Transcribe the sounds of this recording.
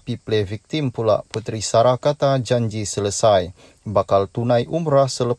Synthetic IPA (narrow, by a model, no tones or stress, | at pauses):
piplɛvik̚t̪impula̰ʔput̪ɾisaɾakat̪ad͡ʒaɲd͡ʒisələsaj | bakalt̪unajʔumɾahsələ